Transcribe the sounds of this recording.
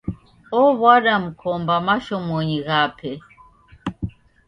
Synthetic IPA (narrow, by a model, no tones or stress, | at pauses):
ɔβwaɗam̩kʰɔmbamaʃɔmɔɲiɣapʰɛ